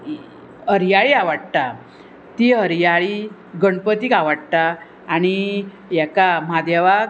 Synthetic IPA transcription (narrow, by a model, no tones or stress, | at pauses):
ɦəɾjaɭiːaʋaɽt̪a | t̪iɦəɾjaɭi | ɡəɳpət̪iːkaʋəɽt̪aː | ɽ̃i | jakamad̪jaʋa